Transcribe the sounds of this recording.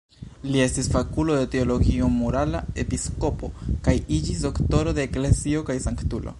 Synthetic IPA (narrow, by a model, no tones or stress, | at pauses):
lie̞stisfakulo̞de̞te̞o̞lo̞ɡio̞moɾalae̞pisko̞po̞kajid͡ʒisdo̞kto̞ɾo̞deːklezio̞kajsaŋktulʔo̰